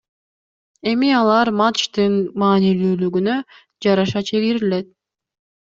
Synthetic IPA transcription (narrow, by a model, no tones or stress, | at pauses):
e̞miɑlˠɑɾmat̪t͡ʃt̪ɯnmɑːnilyːlyɡynø | d͡ʒɑɾɑʃɑt͡ʃʰe̞ɡiɾile̞t̪̚